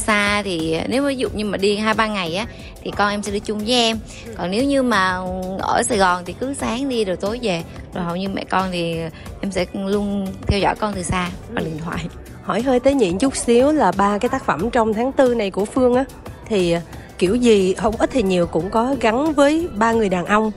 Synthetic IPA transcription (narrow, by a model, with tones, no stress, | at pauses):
saː˧t̪ʰi˨˩ne˨˦wma˨˦zʊ̰˧˨ɲɨ˧maː˨˩ɗi˧ɦaː˧jɓaː˧ŋa˨˩jʔaː˨˦ | t̪ʰi˨˩kɔ˧nʔɛ˧msɛ̰˧˥ɗɨ˧˩t͡ɕʊ˧ŋ͡mvəː˨˦jʔɛ˧m | kɔ˨˩nne˨˦wɲɨ˧maː˨˩ʔə̰ː˧˩saː˨˩jɣɔ˨˩nt̪ʰi˨˩kɨ˨˦saː˨˦ŋɗi˧ɗoː˨˩t̪o˨˦jve˨˩ | zo˨˩jɦə̰˧˨wɲɨ˧mɛ̰˧˨kɔ˧nt̪ʰi˨˩ | ʔɛ˧msɛ̰˧˥lu˧ənt̪ʰɛ˧wzɔ̰˧˩˨jkɔ˧nt̪ɨ˨˩saː˧vaː˨˩ɗi˨˩ənt̪ʰwa̰ː˧˨j | hɔ˧˩jɦəː˧jt̪əː˨˦jɲḭ˧˨ənt͡ɕʊ˦˥k͡p̚si˨˦əwlaː˨˩ɓaː˧kaː˨˦jt̪aː˦˥k̚fə˧˩mt͡ɕɔ˧wŋ͡mt̪ʰaː˨˦ŋt̪ɨ˧na˨˩jku˧˩əfɨ˧əŋʔaː˨˦t̪ʰi˨˩˨ | ki˧˩əwzi˨˩ɦə˧wŋ͡mʔə˦˥t̚t̪ʰi˨˩ɲi˨˩əwkʊ̰˧˥ŋ͡mkɔ˨˦ɣa˨˦nvəː˨˦jɓaː˧ŋɨ˨˩əjɗaː˨˩nʔə˧wŋ͡m